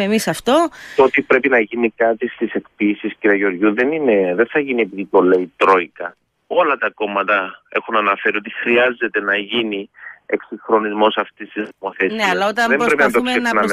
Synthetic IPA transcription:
emisɐft̪ot̪ot̪ipɾe̞pinɐʝinikɐt̪ist̪ise̞kpisisciɾiɐʝeo̞ɾʝuðe̞nine̞ðenθɐʝiniepiðipo̞leit̪ɾo̞ikɐ | o̞lɐt̪ɐko̞mɐt̪ɐe̞xunɐnɐfe̞ɾio̞t̪ixɾiɐze̞t̪e̞nɐʝinie̞̰ksiŋxɾo̞nizmo̞sɐft̪ist̪ispoθesiɐlɐot̪ɐðembbɾe̞pinɐt̪oksenɐm

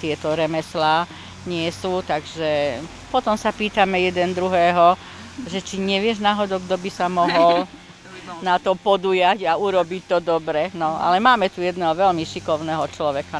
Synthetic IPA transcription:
t̪ɪɛt̪ɔɾɛmɛslaː | ɲɪɛsuːt̪aɡʒɛ | pɔt̪ɔmsapiːt̪amɛjɛd̪ɛnd̪ɾuɦɛːɦɔ | ʒɛt͡ʃiɲɛʋɪɛʒnaɦɔd̪ɔɡd̪ɔbisamɔɦɔl | nat̪ɔpɔd̪ujaɟauɾɔbict̪ɔd̪ɔbɾɛnɔa̰lɛmaːmɛt̪ujɛd̪nɛːɦɔʋɛlmiʃikɔʊnɛːɦɔt͡ʃlɔʋɛka

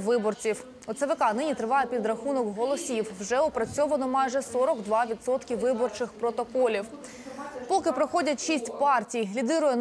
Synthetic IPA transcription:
ʋɪbɔrt͡sʲiw | ɔt̪sɐʋɪkɑnɪnʲit̪ɾɪʋɑjɛpʲid̪ɾɐxunɔkɦɔlˠɔsʲiwwʒɛɔpɾɐt͡sʲɔʋɐnɔmɑjʒɛsɔɾɔɡd̪ʋɑʋʲid̪sɔt̪kʲiʋɪbɔrt͡ʃɪxpɾɔt̪ɔkɔlʲiw | pɔkɪpɾɔxɔdʲɐtʲʃisʲtʲpɑrtʲijlʲid̪ɪɾʊjɛn

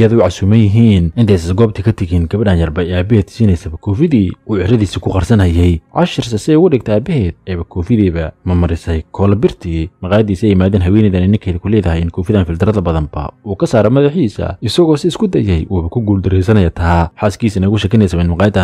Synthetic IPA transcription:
jɐðɐʊʕɑsuːmɐnjɪɦiːnʔɪnt̪ʰɛjsɐsɡɔːb̚t̪ʰikʰɐt̪ʰɐɣiːnɡɐβɐɖaːnjɐrbɐɛaːbɛhɛːd̪siːnɛjsɐbɐkʰɔːfɪðiːuːʕɪɾɐðiːsikʰʊqɑrsɐnhɐjɛjʕɑ̰ʃɪrsɐsɪɛjɣʊɖɪɡ̚t̪ʰɛaːbɛɦɛːd̪̚ɛːβɐkʰɔːfɪðiːβɐmɐmɐɾɪsɛjkʰɔːlɐbɪrt̪ʰimɐqɑːjɐd̪iːsɛjɪmaːðɛːnɦɐwɛːnɛðɐnɛnɪŋkʰɛːjðɐkʰʊlɛːðɐɦɛjɪnkʰɔːfɪðaːnfɪlt̪ʰɪɾɐðɐbɐðɐmbɐ̰uːkʰɐsaːɾɐmɐðɐħiːsɐ̰ɪsɐɣɔːsɪɪskʰʊd̪ɐjɛjʔuːβɐkʰʊɡuːld̪ɪɾɛjsɐnɐjɐt̪ʰaħaːskiːsɐnɛɣʊʃɛkʰɪnɛjsɐβɛnmɐqɑːjɐd̪a

